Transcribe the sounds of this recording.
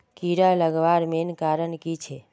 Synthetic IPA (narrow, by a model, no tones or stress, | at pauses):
kiɾaləɡʋaːɾmenkaːɾənkit͡ʃʰe